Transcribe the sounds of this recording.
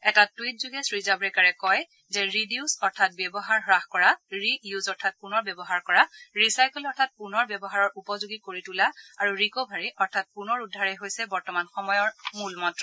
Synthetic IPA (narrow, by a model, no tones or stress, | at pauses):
ɛtatwit̚zuɡɛsɹizabɹɛkaɹɛkɔj | zɛɹidiusɔɹtʰat̚bɛbɔɦaɹɦɹaxkɔɹaɹijuzɔɹtʰat̚punɔɹbɛbɔɦaɹkɔɹaɹisajkulɔɹtʰat̚punɔɹbɛbɔɦaɹɔɹʔupɔzuɡikoɹitulaaɹuɹikobʱaɹiʔɔɹtʰat̚punɔɹudʱːaɹɛɦojsɛbɔɹtɔmanxɔmɔjɔɹmulmɔtɹɔ